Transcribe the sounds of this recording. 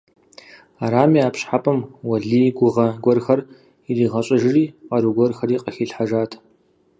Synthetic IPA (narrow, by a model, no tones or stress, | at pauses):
aɾaːmiːaːpɕħapʼɐmwɐɮiːɡʷʊʁɐɡʷɔrxɐr | iriːʁɐɕʼɐʒɪriːqɐɾuɡʷɔrxɐriːqʼɐxiɬħaʒaːtʰ